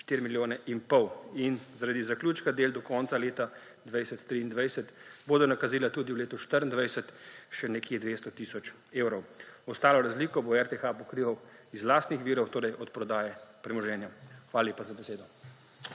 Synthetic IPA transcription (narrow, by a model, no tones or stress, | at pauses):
ʃt̪iɾimiljoːnɛʔinpɔwinzaɾad̪izakluːt͡ʃkad̪eːld̪ɔkɔnt̪saleːt̪a | d̪ʋajsɛt̪ːɾiːnd̪ʋajsɛt̪boːd̪ɔnakaziːlat̪uːd̪iwleːt̪ɔʃt̪əɾənd̪ʋajsɛt̪ʃɛnɛkjed̪ʋest̪ɔt̪iːsɔt͡ʃ | eːwɾɔwɔst̪aːlɔɾazliːkɔboɛɾt̪exapɔkɾiʋaw | izlaːst̪nixʋiːɾɔwt̪oːɾɛjʔɔt̪pɾɔd̪aːjɛpɾɛmɔʒɛːnjaxʋalaleːpazabɛseːd̪ɔ